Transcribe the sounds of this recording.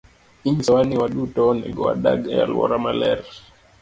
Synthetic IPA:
iŋisawaniwaɗutɔnɛɡɔaɗaɡajalwɔ̰ɾamalɛɾ

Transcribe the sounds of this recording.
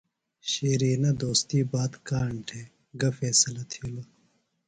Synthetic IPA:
ɕeːɾiːnɐd̪oːst̪iːbaːt̪kaːɳʈʰe | ɡɐfeːsɐlɐt̪ʰilo

